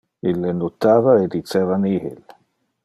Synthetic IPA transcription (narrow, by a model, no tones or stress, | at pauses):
ilːenot̪aːvaed̪it͡sevanihḭl